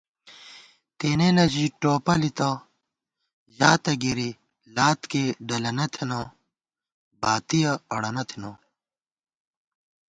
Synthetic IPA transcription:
t̪eːnelɐd͡ʑiʈoːpɐlit̪ɐ | ʑaːt̪ɐɡiɾi | laːt̪keɖɐlɐnɐt̪ʰeno | baːt̪ijɐɐɽɐnɐt̪ʰino

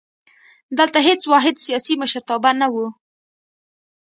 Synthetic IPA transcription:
d̪əlt̪aɦet͡swɑɦɪd̪sijɑsiməʃɾt̪ɑbanawu

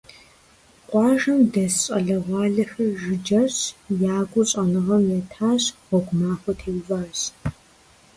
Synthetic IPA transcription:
qʷʼɑːʒɐmdɐsɕʼɐɮɐʁʷɑːɮɨxɐrʒɪd͡ʒɐɕjaːɡʷʼʊɕʼɐnɨʁɐmjɛtʰaːɕʁʷɔɡʷʊmaːxʷɔtʰeːwvaːɕ

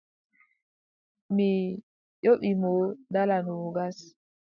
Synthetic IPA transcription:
mi | joɓimodalanuoɡas

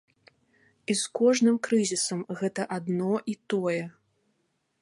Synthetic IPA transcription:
iskɔʐnɨmkɾɨzʲisɐmɣɛt̪ɐʔad̪nɔʔit̪ɔjɛ

